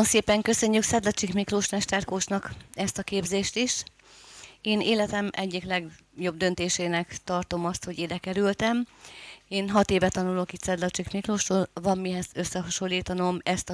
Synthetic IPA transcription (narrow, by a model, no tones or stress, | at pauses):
nseːpɛŋkø̞sø̞ɲːyksɛd̪lɒt͡ʃikmikroːʃmɛʃt̪ɛrkoːt͡ʃnɒkɛst̪ɒkeːbzeːʃt̪iʃ | eːneːlɛt̪ɛmɛɟːiklɛɡjo̞b̚d̪ø̞nt̪eːʃeːnɛkt̪ɒrt̪o̞mɒst̪ho̞ɟiːd̪ɛkɛɾylt̪ɛm | eːnɦɒt̪eːvɛt̪ɒnulokit̪sɛd̪lɒt͡ʃikmikroːʃtoːlvɒmːiɦɛzø̞sːɛɦɒʃo̞lːiːt̪ɒno̞mɛst̪ɒ